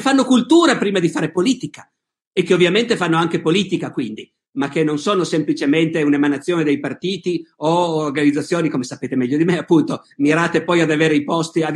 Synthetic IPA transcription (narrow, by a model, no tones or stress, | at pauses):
fanːokult̪uːɾapɾiːmad̪ifaːɾepoliːt̪ika | ekːeovːjament̪efanːoaŋk̟epoliːt̪ikakwind̪i | mak̟ːenːonsoːnosemplit͡ʃement̪eunemanat̪sːjoːned̪ejpart̪iːt̪ioorɡanid̪zat̪sjoːnikomesapeːt̪emɛʎːod̪imeapːunt̪omiɾaːt̪epɔjad̪aveːɾeipɔst̪iad̪